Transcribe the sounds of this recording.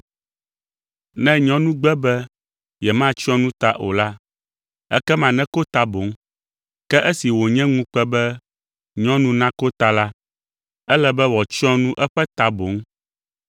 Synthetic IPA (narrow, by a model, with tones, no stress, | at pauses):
nɛ̃˦ɲɔ̃˦nũ˦ɡ͡bɛ˦bɛ˦ | jɛ˨mã˦t͡ʃɔ̃˦nũ˦t̪a˨ʔo˨la˦ | ɛ̰˦kɛ˦mã˨nɛ̃˦ko˦t̪a˨bo˨˦ŋ | kɛ˦ʔɛ˦si˨wo˨ɲɛ̃˦ŋũ˦k͡pɛ˦bɛ˦ | ɲɔ̃˦nũ˦nã˦ko˦t̪a˨la˦ | ɛ˦lɛ˦bɛ˦wɔ˨t͡ʃɔ̃˦nũ˦ʔɛ˦ɸɛ˦t̪a˨bo˨˦ŋ